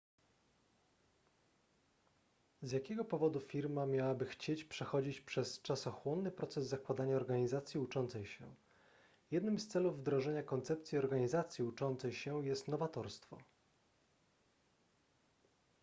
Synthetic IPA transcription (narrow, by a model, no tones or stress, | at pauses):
zʲjakʲɛɡɔpɔvɔd̪ufʲiɾmamʲjawabɘxt͡ɕet͡ɕpʂɛxɔd͡ʑit͡ɕpʂɛst͡ʂasɔxwɔnːɘpɾɔt̪sɛzːakwad̪aɲaɔɾɡaɲizat̪sʲjiut͡ʂɔnt̪sɛjɕɛ̰ | jɛd̪nɘmst̪sɛluvːd̪ɾɔʐɛɲakɔnt̪sɛpt̪sʲjiɔɾɡaɲizat̪sʲjiut͡ʂɔnt̪sɛjɕɛjɛst̪nɔvat̪ɔɾst̪fɔ̰